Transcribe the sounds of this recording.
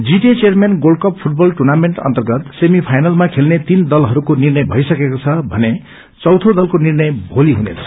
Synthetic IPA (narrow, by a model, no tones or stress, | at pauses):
d͡ziʈet͡sermenɡolɖkʌppʰuʈ̚bʌlʈurnameɳʈʌ̰nt̪ʌrɡʌt̪semipʰajnʌlmakʰelnet̪ind̪ʌlɦʌɾukonirnʌjbʱʌjsʌkekot͡sʰʌbʱʌ̰ne | t͡sʌwt̪ʰod̪ʌlkonirnʌjbʱoliɦunḛt͡sʰʌ̥